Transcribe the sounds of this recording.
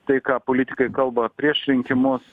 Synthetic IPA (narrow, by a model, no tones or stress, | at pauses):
t̪ɐɪkɑːpolʲɪt̪ʲɪ̥kɐɪkɐlˠbɐpʲɾʲiɛʃɾʲɪŋʲkʲɪmʊs